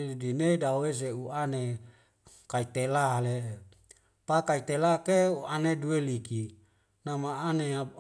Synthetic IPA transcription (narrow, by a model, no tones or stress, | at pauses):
dineidaes̬euane | kait̪elale | pakait̪elakeuanedueliki | namaanea